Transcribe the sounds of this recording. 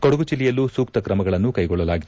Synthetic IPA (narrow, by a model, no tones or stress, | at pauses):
koɽɐɡut͡ʃilijɐlusuːk̚t̪ɐkɾɐmɐɡɐɭɐnːukɐjɡɔɭːɐlaːɡid̪